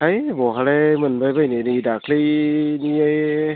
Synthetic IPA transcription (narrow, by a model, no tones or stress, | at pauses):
hajbɔɦaɾemɯnbajbajnenidakʰlɯjniaj